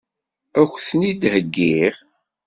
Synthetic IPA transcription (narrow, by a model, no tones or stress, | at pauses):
æxʷθnid̪həɡːiʁ